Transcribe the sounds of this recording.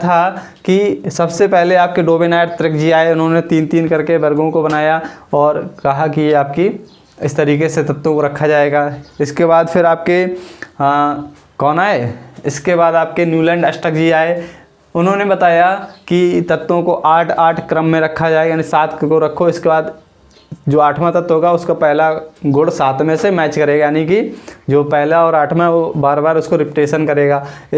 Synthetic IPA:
t̪ʰa | kisɐbsepɛɦleaːp̚keɖoːbenaːɪɖt̪ɾɪkd͡ʒiaːeʊnɦõnet̪iːnt̪iːnkɐɾkebɐɾɡõkobɐnaːjaɔːɾkɐɦakijeaːp̚ki | ɪst̪ɐɾiːkeset̪ɐt̪ːõkoɾɐkʰːad͡ʒaːeːɡaːɪskebaːd̪fʰɪɾaːp̚ke | kɔːnaːɦɛːɪskebaːd̪aːp̚kenjuːlɛ̃ːɳɖɐsʈəkd͡ʒiaːe | ʊnɦõnebɐt̪aːjakit̪ɐt̪ːõkoʔaːʈʰaːʈʰkɾəmːẽɾɐkʰːad͡ʒaːeːɡaːnisaːt̪ʰkkoɾɐkʰoɪskebaːd̪ | d͡ʒoːaːʈʰmãt̪ɐt̪ːɦoːɡaʊskapɛɦlaɡʊɽsaːt̪ʰmẽsemɛːt͡ʃkɐɾeːɡajaːnikid͡ʒoːpɛɦlaɔːɾaːʈʰmẽobaːɾbaːɾʊskoɾɪpɪʈeːʃənkɐɾeːɡaː

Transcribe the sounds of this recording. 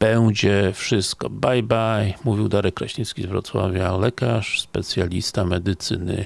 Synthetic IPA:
b̥ɛwd͡ʑɛfʂɘst̪kɔbajbajmuvʲiwd̪aɾɛkːɾaɕɲit̪skʲizvɾɔt̪swa̰vʲjalɛkaʂspɛt̪sʲjalʲist̪amɛd̪ɘt̪sɘnɘ̰

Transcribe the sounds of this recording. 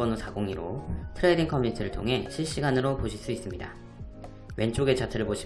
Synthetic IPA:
ʌnosʰaɡoŋiɾotʰɯɾediŋkʰʌmuɲitʰɯɾɯɭtʰoŋɦe̞ɕʰiɭɕ͈iɡanɯɾopoɕʰiɭs͈uis͈ɯmɲida̰ | we̞nt͡ɕ͈oɡe̞t͡ɕatʰɯɾɯɭboɕʰi

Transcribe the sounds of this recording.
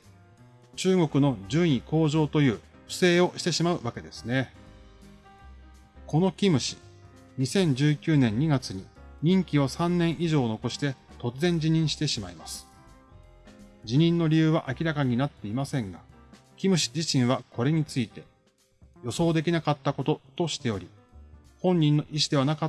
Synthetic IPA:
t͡ɕɨːɡo̞kɯ̟no̞d͡ʑɨ̃ĩko̞ːʑo̞ːt̪o̞jɯ̟ː | ɸɯ̟̥se̞ːo̞ɕi̥t̪e̞ɕimaɯ̟βake̞d̪e̞sɨ̥ne̞ | ko̞no̞kʲimɯ̟ɕi̥ | ɲ̟isẽ̞ɲ̟d͡ʑɨːkʲɨːnẽ̞ɲ̟ːiɡat͡sɨɲ̟iɲ̟ĩŋkʲiosãnːẽɰ̃ʔiʑo̞ːno̞ko̞ɕi̥t̪e̞t̪o̞t͡sɨzẽ̞ɲ̟d͡ʑiɲ̟ĩɰ̃ɕi̥t̪e̞ɕimaimasɨ̥ | d͡ʑiɲ̟ĩnːo̞ɾʲijɯ̟ːβ̞aʔakʲiɾakaɲ̟inat̪ːe̞imasẽ̞ŋɡa | kʲimɯ̟ɕi̥d͡ʑiɕĩɰ̃βako̞ɾe̞ɲ̟it͡sɨit̪e̞ | jo̞so̞ːd̪e̞kʲinakat̪ːako̞t̪o̞t̪o̞ɕi̥t̪e̞o̞ɾʲi | hõ̞ɲ̟ːĩnːo̞ʔiɕi̥d̪e̞βanaka

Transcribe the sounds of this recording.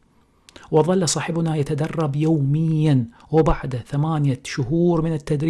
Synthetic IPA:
wɪðˤɑlːsˤɑːħɪbʊnajat̪ad̪ɑrˤːɑbjoːmɪjːanwɪbaʕd̪aθamaːnjaʃʊɦuːɾmɪnɪt̪ːad̪ɾ

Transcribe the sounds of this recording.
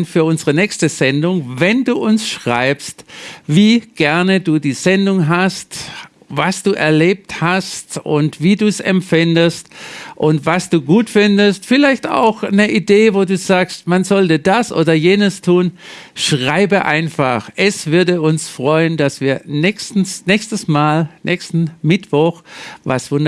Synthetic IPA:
nfyːɐʔʊnzəʁənɛːkstəzɛndʊŋvɛnduːʔʊnsʃʁ̥a̰ɪpstviːɡ̥ɛɐnəduːdiːz̥ɛndʊŋɦast | vasd̥uːʔɛɐleːp̚thastʊ̰ntv̥iːduːsɛ̰mfɪndəstʔʊntvasd̥uːɡuːtfɪndəstfɪlaɪçta̰ʊxnəʔideːvoːduːzaːkstmanzɔltədasʔo̰ːdɐjeːnəstʰuːn | ʃʁaɪbəʔa̰ɪnfa̰xʔɛsv̥ʏɐdəʊnsfʁ̥ɔʏəndasv̥iːɐnɛçstn̩snɛːçstəsmaːlnʔɛçstn̩mɪtv̥ɔxva̰sv̥ʊnd

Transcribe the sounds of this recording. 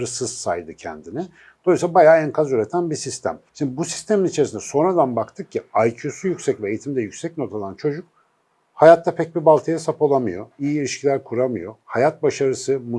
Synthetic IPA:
ɾɯsɯz̥sa̰jd̪ɯcʰɛ̰nd̪inɪ | d̪̥o̞jsabajaːænkʰazyɾe̞t̪ʰænbisist̪ʰæ̰mʃind̪ibusi̥st̪ʰe̞minit͡ʃʰe̞ɾisinɛso̞nɾad̪anbakt̪ʰɯk̚cʰiajcʰusujycsɛcvɛejit̪ʰimd̪ɛjycʲsɛc̚not̪ʰalˠant͡ʃʰo̞d͡ʒuk̚ | hajat̪ʰːapʰɛc̚bibalˠt̪ʰɯjasapʰolˠamɯjo̞̰ijiiɾʲiʃcʰilʲæɾkʰuɾamɯjo̞hajat̪̚baʃaɾɯsɯmu

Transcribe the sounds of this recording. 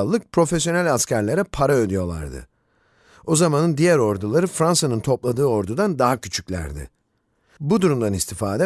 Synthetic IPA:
lˠːɯk̚pʰɾo̞fesjo̞nælʲascʰæɾlʲeɾɛpʰaɾaød̪yjo̞lˠa̰ɾd̪ɯ̰ | o̞zamanɯnd̪ijæɾo̞ɾd̪ulˠaɾɯfɾansanɯnt̪ʰo̞plˠad̪ɯːo̞ɾd̪ud̪and̪aɦacʰyt͡ʃʰycʲlʲæ̰ɾd̪ɪ̰ | bud̪uɾumd̪anist̪ʰifaːd̪ɛ

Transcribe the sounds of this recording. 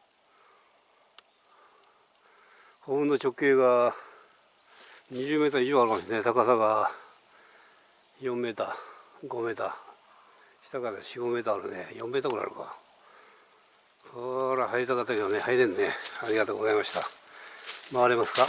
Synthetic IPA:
hobɯ̃nːot͡ɕo̞kːeːɡa | ɲiʑɨːme̞ːt̪aiʑoaɾɯkamsnet̪akasaɡa | jõ̞mːe̞ːt̪aɡo̞me̞ːt̪a | ɕi̥t̪akad̪eɕiɡo̞me̞ːt̪aɾonḛjõ̞mːet̪akoɾa̰ɾɯ̰ka̰ | soɾahaiɾʲit̪akat̪ːake̞d̪onehaiɾenneaɾʲiɣat̪oːɡozaimaɕi̥t̪a̰ | maβaɾemasɨ̥ka

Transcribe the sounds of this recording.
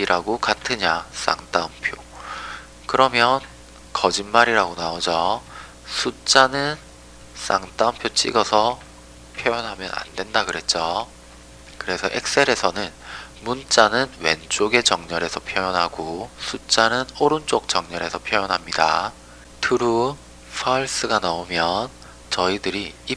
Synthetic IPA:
iɾaɡokatʰɯɲas͈a̰ŋt͈aumpʰjo | kɯɾʌmjʌn | kʌd͡ʑinmaɾiɾaɡonaod͡ʑʌ | sʰut͡ɕ͈anɯn | s͈a̰ŋt͈aumpʰjot͡ɕ͈ḭɡʌsʰʌ | pʰjojʌnɦamjʌna̰ndwe̞ndakɯɾe̞t̚t͡ɕ͈o | kɯɾe̞sʰʌʔek̚s͈e̞ɾe̞sʰʌnɯnmunt͡ɕ͈anɯnwe̞̰nt͡ɕ͈oɡe̞t͡ɕʌŋɲʌɾe̞sʰʌpʰjʌjʌnɦaɡosʰut͡ɕ͈anɯnoɾɯnt͡ɕ͈ok̚t͡ɕʌŋɲʌɾe̞sʰʌpʰjojʌnɦamɲida̰ | tʰɯɾu | pʰaɭs͈ɯɡanaomjʌn | t͡ɕʌidɯɾii

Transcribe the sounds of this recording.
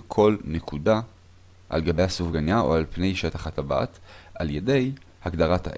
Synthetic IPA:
kʰo̞lnekʰuda | ʔa̰lɡabejhasuvɡanjaʔo̞̰alpne̞jʃetaχataba̰taljede̞j | haɡdaʁatha̰ʔ

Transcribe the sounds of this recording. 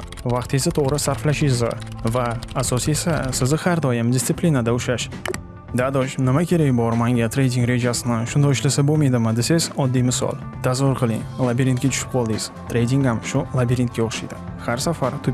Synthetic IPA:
vɑqt̪ezɪt̪ʰoʁɾɪsaɾflaʃizvaːsɔsesasɪzɪhaɾd̪ɒjɪmd̪ʲɪst̪sɨplʲinad̪aʊʃaʃ | d̪ad̪oʃnɪmakʲʰe̞ɾekʲbɒɾmaŋɡʲat̪ʰɾe̞jd̪ʲiŋɡɾe̞d͡ʒasɪnɪʃʊnd̪ɒɪʃlasabolˠmajd̪ɪmɪd̪esezɒd̪ːijmɪsɒ̰lˠt̪ʰazʊɾqʰɨlˠiŋlˠabʲiɾʲint̪kʲat͡ʃʰʊ̥ʃɪ̥p̚qʰɒlˠd̪iz̥t̪ʰɾe̞jd̪ʲiŋhamʃʊlˠabiɾint̪̚kʲaoχʃajd̪ɪ | haɾsafaɾt̪ʰʊ

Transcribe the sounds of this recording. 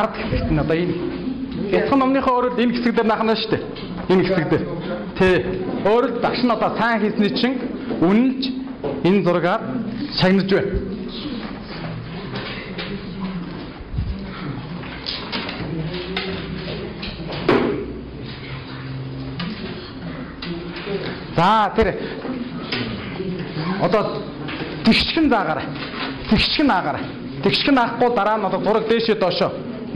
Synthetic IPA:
aɾə̆t̪xe̥sɘ̆kt̪ʰɘ̆nɔt̪ɔːin | at͡sχə̆nːɔmniːχoːɾə̆ɮt̪enxesɘ̆kt̪̬eːrnaːχə̆næʃt̪ʰeː | enxesɘ̆kt̪eːr | t̪ʰeːoːɾɵ̆ɮt̪t͡sakʃɪ̆nɔt̪ɔːsæːŋxiːsniːt͡ɕʰĭŋunɘ̆nt͡ɕʰ | ent͡sʊrɣaːrʃaɣnə̆t͡ɕpæːn | t͡saːt̪ʰeɾ | ɔt̪ɔː | t̪ekʃxɘ̆nt͡saːʁaːɾ | t̪ʰekʃxɘ̆naʁaːɾa | t̪ekʃxɘ̆naːχqʊːt̪aɾaːnɔt̪ɔːt͡sʊɾə̆k̚t̪eːʃit̪ɔʃɔː

